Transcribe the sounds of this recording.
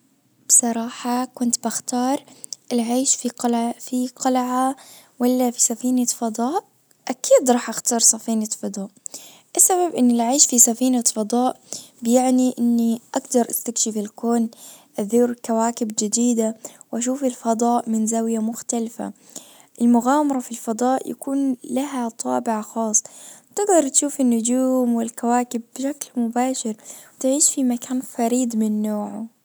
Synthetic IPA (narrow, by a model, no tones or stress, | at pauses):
b̥sˤɑɾˤɑːħakʊnt̪baxt̪ɑːɾˤʔɪlʕaːʃfifiqɑlʕawalːafisafiːnafɑd̪ˤɑːʔ | ʔakiːd̪ɾˤɑːħʔaxt̪ɑːɾˤsˤɑfiːnafɑd̪ˤɑːʔ | ʔɪsːaβabʔɪnːɪlʕaːʃfisafiːnafɑd̪ˤɑːʔ | bjaʕniʔɪnːiʔaɡd̪ɑɾˤʔast̪akʃifɪlkoːnʔaðuːɾkawaːkɪbd͡ʒɪd̪iːd̪awʔaʃ̬uːfɪlfɑd̪ˤɑːʔmɪnzawɪjamʊxt̪alfa̰ | ʔɪlmʊɣaːmɑɾˤɑfilfɑd̪ˤɑːʔja̰kuːnlaɦat̪ˤʰɑ̰ːbɪʕaxɑːsˤːt̪ɪɡd̪ɑɾˤt̪ʃuːfɪnːʊd͡ʒuːmwɪlkawaːkɪbːʃaklmʊbaːʃɪɾwt̪ʕiːʃfimakaːnfɑɾiːd̪ˤmɪnːoːʕʊ